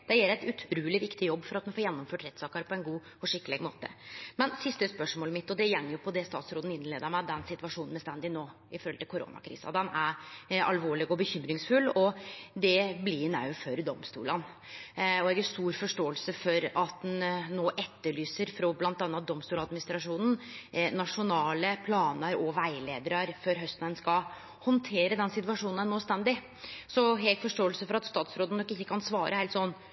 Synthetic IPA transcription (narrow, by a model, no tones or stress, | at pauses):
d̪̥ɛjɛlɾæɪt̪ʉt̪ʰɾuːlɪʋɪkt̪ɪjɔbːfɔɾɑt̪̚mɛnfoːjɛnːɔmføːʈɾɛt̪ːsɑːkɑɾpʰɔɛnɡuː | ɔʂɪkːəlɪɡmo̰ːt̪ə̰mɛnsɪst̪əspœʂmoːləmɪt̪ːɔd̪ɛjɛŋːəɾjʊpʰɔd̪ɛst̪ɑ̰ːt̪sɾoːd̪n̩ɪnːleːd̪əɾmæd̪ɛnsɪt̪ʋɑʂuːnn̩mɛst̪ɛnd̪ɪnoː | ɪfɔɾɔlɪlkʰʊɾo̰ːnɑ̰kʰɾḭːsɑ̰d̪ɛnæɾɑ̰lʋoːɭɪɡɔbəçʏmɾɪŋsfʉlːɔd̪ɛblɪnɑʉføɾd̪ɔmst̪ṵːlən | ɔɛɡəst̪uːɾfɔʂʈoːəlsəfɔɾɑt̪̚ɛnnːoːʔɛt̪ːəɭyːsəɾfɾɔblɑnt̪ɑːnːɑt̪̚d̪ɔmst̪uːlɑd̪mɪnɪst̪ɾɑʂuːnn̩nɑʂʊnɑːləpʰlɑːnəɾɔʋæɪleːd̪əɾɑɾføɾɦœst̪nənskɑ | hɔnt̪ʰeːɾəd̪ɛnsɪt̪ʉʋɑʂuːnn̩æɳøːst̪ɛnd̪ɪ | sɔɦɛkfɔʂʈoːəlsəfɔɾɑt̪st̪ɑːt̪sɾoːd̪ənɔkːɪçːəkʰɑnsʋɑːɾʔəheɪt̪sɔnː